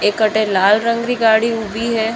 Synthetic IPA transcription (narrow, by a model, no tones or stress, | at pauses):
ekːəʈelaːlɾə̃ŋɡɾiɡaːɽiʊbʱiɦɛː